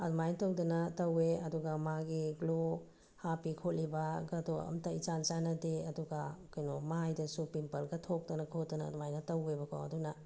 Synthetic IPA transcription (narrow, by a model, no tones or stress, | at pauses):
ɐdmajnɐtɐwdɐnɐtɐweɐduɡɐmaɡiɡlo | hapikʰot̚libɐɡɐduɐ̰mtait͡ʃant͡ʃanɐdeɐduɡɐkɐjnomajdɐsupimpɐlɡɐtʰok̚dɐnɐkʰot̚dɐnɐ̰dmajnɐtɐwebɐkʰo̰ɐ̰dunɐ